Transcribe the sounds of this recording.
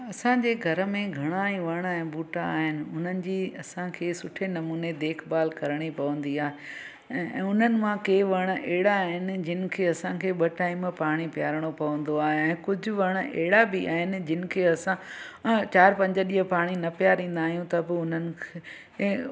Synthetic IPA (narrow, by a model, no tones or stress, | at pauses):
ɐsãd͡ʑeːɡʱɐɾəmẽɡʱɐɽ̃aːĩʋɐɽ̃ɛ̃ːbuːʈaːɦɪnɪ̆ʊn̤ənɪ̆d͡ʑiːɐsãkʰeːsʊʈʰenɐmuːned̪eːkʰbaːlkɐɾəɽ̃ipɐʋə̃nd̪iaːɦẽː | ʊn̤ənɪ̆mãkeːʋɐɽ̃ʔɛɦɪɽaːɦɪnɪ̆d͡ʑɪnɪ̆kʰeɐsãkʰeːɓɐʈaːɪ̃mpaːɽ̃ipjaːɾəɽ̃opɐʋə̃nd̪oaːɦeɛ̃ːkʊd͡ʑʱʊʋɐɽ̃ʔɛɦɪɽabɪʔa̰ːɦɪnɪ̆d͡ʑɪnɪ̆kʰeːɐsã | t͡ɕaːɾpɐ̃ɲd͡ʑəɗiːɦəpaːɽ̃inɐpijaɾĩːn̆d̪aːɦijũt̪ɐbɪʊn̤ənɪ̆kʰe